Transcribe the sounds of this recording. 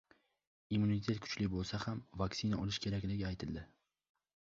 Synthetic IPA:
imːunit̪ʰe̞t̪̚kʰʊ̥t͡ʃlɪbolˠsahamvaksɪnaʔɒlɪʃkʲʰe̞ɾakʲlɪɡʲɪajt̪ʰɪlˠd̪ɪ

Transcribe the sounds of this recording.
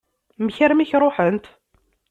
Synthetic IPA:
məçəɾmiçɾˤoħənt̪

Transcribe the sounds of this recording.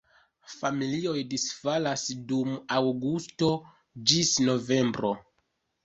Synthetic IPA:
familio̞jdisfalasdumawɡusto̞ | d͡ʒisno̞ve̞mbɾo

